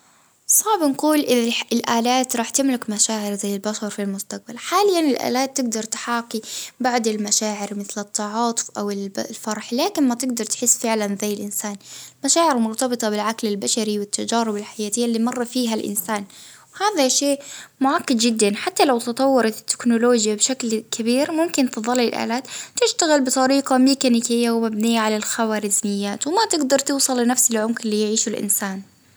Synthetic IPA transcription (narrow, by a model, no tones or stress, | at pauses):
sˤɑʕbnquːlʔɪɪlʔaːlaːt̪ɾˤɑːħt̪ɪmlɪkmaʃaːʕɪɾzajːɪlbaʃɑɾˤfilmʊst̪aq̚balħaːlɪjːanɪlʔa̰ːlaːt̪ːɪɡd̪ɑɾˤt̪ħaːqibaʕd̪ɪlmaʃaːʕɪɾmɪθlɪt̪ʰˤːɑʕɑːt̪ˤʊ̥fʔawɪllfɑɾˤħlaːkɪnmat̪ɪɡd̪ɑɾˤt̪ħɪsːfɪʕlanzajːɪlʔɪnsaːnmaʃaːʕɪɾɪmʊɾt̪ɑbɨt̪ˤɑbɪlʕaklɪlbaʃaɾiwɪt̪ːad͡ʒaːɾɪbɪlħajaːt̪ɪjːalːiːmɑrˤːɑfiːɦalʔɪ̰nsaːn | whaːðaʃeːʔmʊʕakːɪd̪d͡ʒɪd̪ːanħat̪ːalawt̪ɨt̪ˤɑwːɑɾˤɑt̪ːɪ̥knʊloːd͡ʒjabɪʃaklkʰabiːɾmʊmkɪnt̪ɨðˤɑlːilʔa̰ːlaːt̪t̪ɪʃt̪aɣɪlbɨt̪ˤɑɾiːqɑmiːkanɪkɪjːawmabniːaʕalalxawaːɾɪzmɪjːaːt̪wɪmat̪ɪɡd̪ɑɾˤt̪ɨwsˤɨlːɪnafsɪlʕʊmkɪlːiːjʕiːʃʊlʔɪ̰nsaːn